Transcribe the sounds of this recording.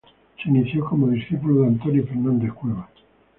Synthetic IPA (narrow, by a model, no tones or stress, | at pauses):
seiniθjoko̞moðisθipuloðeant̪onjofeɾnãnd̪ehkweβa